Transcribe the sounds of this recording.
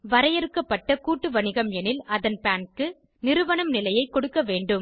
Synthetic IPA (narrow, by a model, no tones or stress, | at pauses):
ʋɐɾɐjɛɾɯkːɐpːɐʈːɐkuːʈːɯʋɐɳɪɣɐmɛnɪlɐðɐnpaːnkɯ | nɪɾɯʋɐɳɐmnɪlɐjɐɪkːɔɽɯkːɐʋeːɳɖɯm